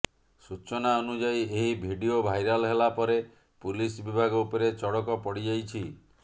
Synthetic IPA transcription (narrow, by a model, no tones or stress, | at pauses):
sut͡ʃɔnaonud͡ʒaieɦibʱiɖiobʱajɾalɔɦelapɔɾe | pulisbibʱaɡɔupɔɾet͡ʃɔɽɔkɔpɔɽid͡ʒajt͡ʃʰi